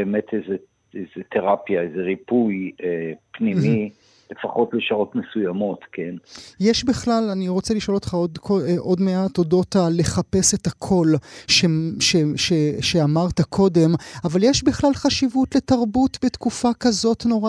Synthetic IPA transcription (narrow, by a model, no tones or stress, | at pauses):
beemetʰejze | ezet̪ʰeʁapjaezeʁipujepnimi | le̞faχo̞tleʃaʁo̞tmesujamo̞t̪kʰenjeʃbiχlalaniʁo̞t͡seliʃo̞lo̞tχaodkoʔo̞dme̞ato̞do̞tale̞χape̞se̞takʰo̞lʃeʃeʃeʃeamaʁtakʰo̞de̞mavaljeʃbiχlalχaʃivutle̞taʁbutbetkufakazo̞tno̞ʁa